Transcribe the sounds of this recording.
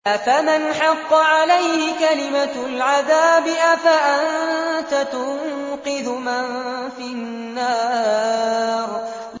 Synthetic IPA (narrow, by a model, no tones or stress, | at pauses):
ʔafamɪnħɑqːɑʕalajhɪkalɪmalʕaðaːbɪʔafaʔant̪at̪ʊŋ | qɨðʊman | fi | nnnːaː | ɾ